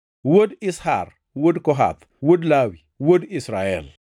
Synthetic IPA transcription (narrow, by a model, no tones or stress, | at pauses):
wodisha̰r | wodkɔɦa̰t̪ | wodlawi | wodisɾaɛ̰l